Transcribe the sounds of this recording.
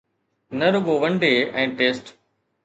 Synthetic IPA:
nɐɾʊɡoʋɐ̃ɳɖeɛ̃ːʈeːsʈ

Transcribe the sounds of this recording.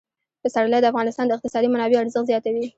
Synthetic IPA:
pəsaɽəlajd̪əafɣɑnɪst̪ɑnd̪əɪqt̪ɪsɑd̪imanɑbeaɾzəxzjɑt̪awi

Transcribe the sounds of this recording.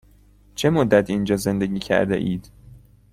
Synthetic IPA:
t͡ʃʰe̞mod̪ːæt̪ʰind͡ʒɒːze̞nd̪e̞ɟiːcʰæ̰ɾd̪ḛʔiːd̪̥

